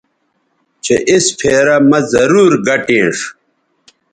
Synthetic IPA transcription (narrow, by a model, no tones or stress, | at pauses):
t͡ɕeʔispʰeːɾɐmɐzɐɾuːɾɡɐʈẽːʂ